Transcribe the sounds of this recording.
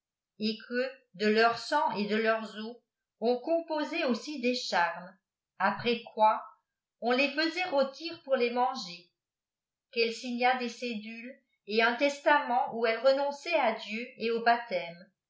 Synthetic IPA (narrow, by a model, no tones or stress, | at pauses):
ekʰəd̪əlœʁsɑ̃ed̪əlœʁzo | ɔ̃kɔ̃pozeosid̪eʃaʁm | apχɛkwa | ɔ̃lefəzɛʁot̪ʰiʁpuʁlemɑ̃ʒe | kɛlsiɲad̪esed̪yl | eɛ̃t̪ɛst̪amɑ̃ʔuɛlʁənɔ̃sɛad̪jøeobat̪ɛm